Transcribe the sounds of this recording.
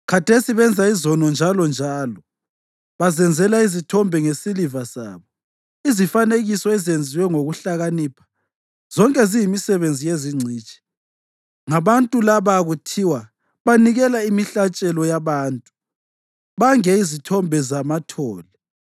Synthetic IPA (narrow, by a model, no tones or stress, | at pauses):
kʰatʰesiβɛnd͡zʱaizɔnɔnd͡ʒʱalɔnd͡ʒʱaːlɔ | βazɛnd͡zʱɛlaizitʰɔmbʱɛŋesilivasa̰ːβɔ | izifaneɣisɔɛzend͡zʱiwɛŋoɣuɬaɣanipʰḁ | z̥ɔŋkʼɛzijimisɛβend͡zʱijeziŋ͡ǀʱiːt͡ʃʼi̥ | ŋaβantʼulaβaɣutʰiwa | βaniɣɛlaimiɬat͡ʃʼɛlɔjaβaːntʼu̥ | βaŋɛizitʰɔmbʱɛzamatʰɔːlɛ